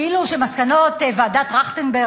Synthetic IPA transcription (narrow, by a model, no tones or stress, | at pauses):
iluʃemaskano̞t̪evadat̪ʁaχt̪embe